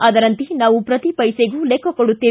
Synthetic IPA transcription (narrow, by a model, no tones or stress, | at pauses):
ɐd̪ɐɾɐnt̪inaːʋupɾɐt̪ipɐjseɡuːlekːɐkoɽut̪ːiː